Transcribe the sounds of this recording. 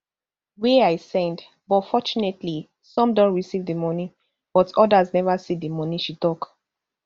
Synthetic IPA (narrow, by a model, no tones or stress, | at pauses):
weaɪsɛ̃nd | bɔtfɔt͡ʃunetli | sɔ̃mdõntɹisivdəmɔni | b̥ɔtʰɔdaznɛvasidimɔniʃitɔk